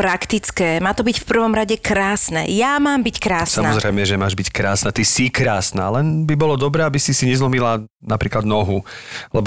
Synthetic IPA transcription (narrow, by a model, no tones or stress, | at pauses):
pɾakt̪it͡skɛːmaːt̪ɔbicfpr̩ʋɔmɾaɟɛkɾaːsnɛ̰jamaːmbickɾaːssamɔzɾɛjmɛʒɛmaːʒbickɾaːsnat̪isikɾaːsna̰lɛnbibɔlɔd̪ɔbɾɛːabisisiɲɛzlɔmila | napɾiːklad̪nɔɦulɛbɔ